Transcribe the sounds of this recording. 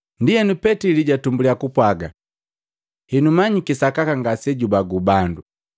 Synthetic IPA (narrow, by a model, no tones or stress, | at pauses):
ndijɛnupɛtiliɟatumbuliakupwaɡa | hinumaɲikisakakaŋɡasɛɟubaɡubandu